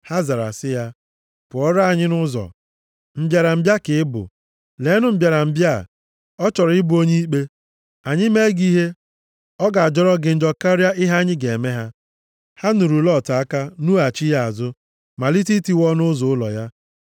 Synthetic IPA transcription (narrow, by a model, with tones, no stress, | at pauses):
ha˦za˨ɾa̰˨sɪ˦ja˦ | pʊ˨ɔ˦ɾa˦a˨ɲɪ˦nʊ˦zɔ̰˨ | m̩˦bja˨ɾa˨m̩˨bja˦kɪ˨ɪ˦bʊ̰˨ | le˨˦nʊ˦m̩˦bja˨ɾa˨m̩˨bja̰˦˨ | ɔ˦t͡ʃɔ˨ɾɪ˦bʊ˨˦o˦ɲe˦i˦k͡pe˦ | a˨ɲɪ˦me˦ɡi˦ɦe˦ | ɔ˦ɡa˨a˨d͡ʒɔ˦ɾɔ˦ɡɪ˨n̩˦d͡ʒɔ˦ka˦ɾja˦ʔɪ˦ɦa˦ɲɪ˦ɡe˨me˦ɦa˦ | ha˦nu˨ɾu˨lɔ˦˨ta˨a˦ka˦nu˦a˨t͡ʃi˦ja˨a˨zʊ˦ | ma˨li˦ti˦ti˦wɔ˦nʊ˦zʊ˨˦ʊ˦lɔ̰˨ja˦